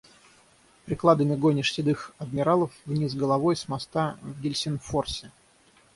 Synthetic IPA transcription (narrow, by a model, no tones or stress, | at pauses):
pɾʲɪklˠad̪əmʲɪɡonʲɪʂsʲɪd̪ɨxɐd̪̚mʲɪɾalˠəfvnʲis̬ɡəlˠɐvo̞jsmɐst̪avɡʲɪlʲsʲɪnforsʲɪ